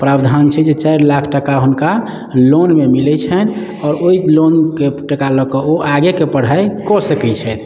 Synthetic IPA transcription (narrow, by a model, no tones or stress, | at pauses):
pɾabd̪ʱant͡ʃʰɛd͡ʒet͡ʃajɾlakʰʈəkaɦunka | lonmemilɛt͡ʃʰɛn | ɔːɾoilonkeʈəkalɔkɔoʔaɡekepəɽ̤aekɔsəkɛt͡ʃʰɛt̪ʰ